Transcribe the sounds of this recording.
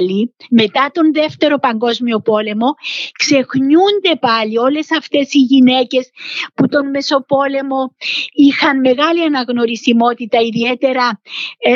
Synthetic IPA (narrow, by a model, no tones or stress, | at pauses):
lime̞t̪ɐt̪o̞nðe̞ft̪e̞ɾo̞pɐŋɡo̞zmio̞po̞le̞mo̞kse̞xɲund̪e̞pɐlio̞le̞sɐft̪e̞siʝine̞ce̞sput̪o̞nme̞so̞po̞le̞mo̞ixɐnme̞ɣɐliɐnɐɣno̞ɾisimo̞t̪it̪ɐiðie̞t̪e̞ɾɐ